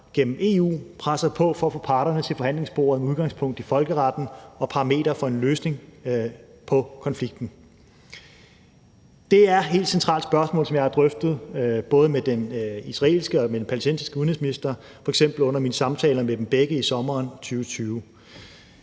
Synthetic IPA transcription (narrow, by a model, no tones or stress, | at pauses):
ɡ̥en̰m̩e̝ːṵːpʰʁasɐpʰɒ̽fɒ̽fɔ̽ːpʰɑ̈ːɾɐnət͡sʰe̝fɒ̽hæn̰le̝ŋsb̥o̝̰ːɐðˠmuð̞ˠɡ̥ɑ̈ŋspʰɔ̽ŋ̰d̥ifɒ̽lɡ̥əʁɑd̥n̩ɒ̽pʰɑ̈ʁɑ̈me̝̰ːɾ̥ɐfɒ̽e̝nløːsne̝ŋ | pʰɒ̽kʰɒ̽nfliɡ̥̚d̥n̩ | d̥e̝æɐɦe̝̰ːld̥sent͡sʰʁɑ̰̈ːld̥sb̥ɶɐsmɔ̰̽ːlsɒmjɑ̈ɪhæd̥ʁœfd̥ð̞̩ˠb̥ɔ̽ːð̞̩ˠəmed̥enisʁɑ̈e̝̰ːlsɡ̥əɒ̽med̥enpʰælesd̥en̰sisɡ̥əuð̩ˠheð̩ˠsminisd̥ɐ | fɒ̽eɡ̥sem̰b̥l̩ɔ̽n̰ɐmiːnəsɑ̈mt͡sʰɛ̰ːlɐmed̥enb̥eɡ̥əisɒ̽mɐːnt͡sʰyːʊt͡sʰyːʊ